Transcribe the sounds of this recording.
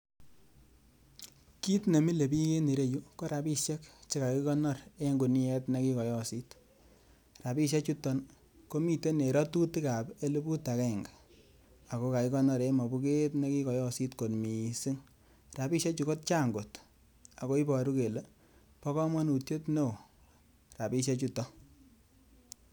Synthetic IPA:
ki˦tne˨mi˦le˨pi˦ke˦ne˨ɾe˦ju˦ko˦ɾa˨pi˦ʃje˦kt͡ʃe˦ka˨ki˦kɔ˦nɔ˦ɾe˦ŋɡu˨ni˦ɛ˦tne˦ki˦kɔ˨jɔ˦si˦t | ra˨pi˦ʃ̬je˦t͡ʃu˦tːɔ˦n | ko˦mi˦˨te˦ne˨ɾɔ˦tu˦ti˦ka˨pe˦le˦bu˦ta˨kɛ˦˨ŋɡa˨ | a˨ko˦ka˨ki˦kɔ˦nɔ˦˨ɾe˦mɔ˨bu˦ke˦tne˦ki˦kɔ˨jɔ˦si˦tko˨tmi˨si˦ŋ | ra˨pi˦ʃje˦t͡ʃu˨ko˦t̚t͡ʃa˦˨ŋɡo˨t | a˨ko˦i˦pɔ˨ɾu˦ke˨le˦ | pɔ˦kɔ˦mɔ˦nu˨tje˦tno˦˨ | ra˨pi˦ʃe˦t͡ʃu˦tɔ˦

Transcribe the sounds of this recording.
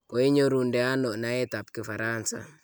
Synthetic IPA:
ko˨i˦ɲo˦ɾu˨ndɛ˨a˦nɔ˨na˨˦ɛ˦ta˨p̚kɪ˨fa˨ɾansa̰

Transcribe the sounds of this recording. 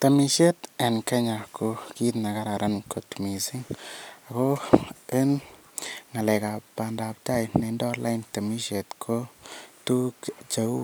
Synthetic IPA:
ta˨mi˨ʃe˦t̪a˨nka˦ɲa˨ko˨˧ki˦t̪na˨ka˦ɾa˨ɾa˦nko˨tmi˨si˦ŋa˨ko˦e˦n | ŋa˨lɛ˨ka˨pːa˨nda˨p̚ta˦jne˨˧˦ndɔ˦la˦jnta˨mi˦ʃe˨t̪kʰo˦tu˦kt͡ʃa˨u˦

